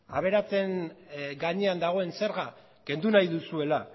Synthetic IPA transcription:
a̰β̞e̞ɾat͡se̞nɡaɲe̞and̪aɣ̞o̞e̞nse̞ɾɣa | ke̞nd̪unajðusue̞la

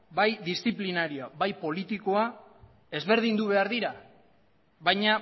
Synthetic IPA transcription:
bajd̪isθiplinaɾioaβajpo̞lit̪iko̞a | e̞zβe̞ɾð̞ind̪uβe̞aɾðiɾa | βajɲa

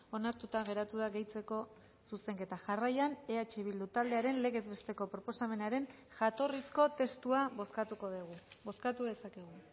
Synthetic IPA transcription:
o̞naɾt̪ut̪aɣe̞ɾat̪uðaɣe̞jt͡se̞ko̞ | suse̞ŋke̞t̪aʝarajane̞at͡ʃeβ̞ild̪ut̪ald̪e̞aɾe̞nle̞ɣe̞zβe̞st̪e̞ko̞pɾo̞po̞same̞naɾe̞n | ʝat̪o̞risko̞t̪e̞st̪uaβoskat̪uko̞ðeɣubo̞skat̪uðe̞sake̞ɣ̞u

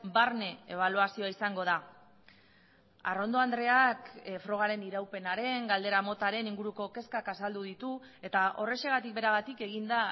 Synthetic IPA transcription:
baɾne̞eβ̞aluasio̞aisaŋɡo̞ð̞a | a̰ro̞nd̪o̞and̪ɾe̞akfɾo̞ɣ̞aɾe̞niɾawpe̞naɾe̞ŋɡald̪e̞ɾamo̞t̪aɾe̞niŋɡuɾuko̞ke̞skakasald̪uðit̪u | e̞t̪aʔo̞re̞ʃe̞ɣ̞at̪ik̚be̞ɾaɣat̪ike̞ɣind̪a

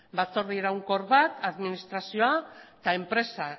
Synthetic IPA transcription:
bat͡so̞ɾðieɾawŋko̞ɾβat̪aðminist̪ɾasio̞at̪ae̞mpɾe̞sa

